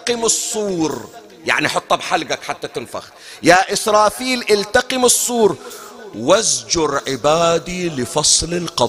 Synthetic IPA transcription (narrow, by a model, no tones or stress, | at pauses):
qɪmɨsˤːuːɾ | ja̰ʕniħʊt̪ˤːɑbħalɡakħat̪ːat̪ɪnfa̰x | jaʔɪsɾˤɑːfiːlʔɪlt̪aqɪmɨsˤːuːɾwazd͡ʒʊɾʕɪbaːd̪ilɪfɑsˤlɪlqɑˤ